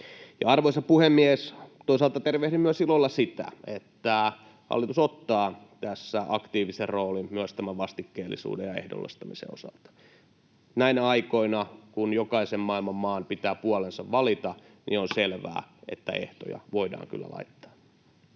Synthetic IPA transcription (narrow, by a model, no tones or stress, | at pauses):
jɑ̰ɑrʋoisɑpuhemːiest̪oisɑlt̪ɑt̪erʋehtimyøsilːolːɑsit̪æ̰et̪ːæ | hɑ̰lːit̪usot̪ːɑː | t̪æsːæɑkt̪iːʋiserroːlimyøst̪æmæʋʋɑst̪ikːeːlːḭsṵːdejɑehdo̰lːḛst̪ɑmisḛosɑ̰lt̪ɑ̥ | næinæɑikoinɑkunjokɑisemmɑilmɑmmɑːnpit̪æːpuɑlensɑʋʋɑlit̪ɑ | nḭonselʋæ̰ːḛt̪ːæ̰ḛht̪o̰jɑ̰ʋoidɑ̰ːŋky̰lːæ̰lɑ̰it̪ːɑ̥ː